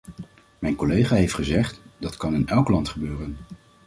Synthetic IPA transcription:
mɛjnkolejχaːɦejftχəzɛχtd̥ɑtkɑnɪnɛlˠklɑntχəbøːrən

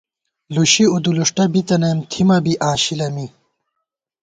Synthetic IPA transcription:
luɕiud̪uluʂʈɐbit̪ɐnemt̪ʰimɐbiʔãːɕilɐmi

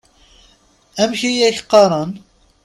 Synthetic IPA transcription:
æmçijæçqːɑɾˤɑn

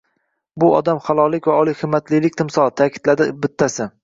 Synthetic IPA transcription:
bʊɒ̰d̪amχalˠɒlˠɪkʲvaɒlˠɪjhɨmːat̪lɪlɪkʲt̪ʰɪmsɒlˠt̪ʰakʲʰɪ̥d̪lad̪ɪbɪt̪ʰːasɪ

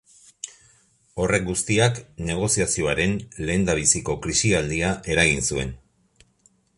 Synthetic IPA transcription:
o̞re̞k̚ɡust̪iakne̞ɣ̞o̞siasio̞aɾe̞nle̞ːnd̪aβ̞isiko̞kɾisiald̪iaʔe̞ɾaɣ̞insue̞̰n

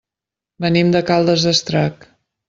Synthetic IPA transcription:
bənimd̪əkalˠd̪əzəst̪ɾak

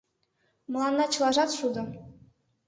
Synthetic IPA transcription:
mɤ̆lˠɑnːɑt͡ɕɤ̆lˠɑʒɑt̪ʃud̪ɤ̆

